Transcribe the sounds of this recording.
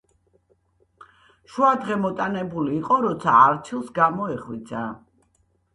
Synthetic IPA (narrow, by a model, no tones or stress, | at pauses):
ʃuad̪ʁɛmɔt̪ʼanɛbuliːqʼɔɾɔt̪sʰaːɾt͡ʃʰilˠsɡamɔɛχwit̪sʰa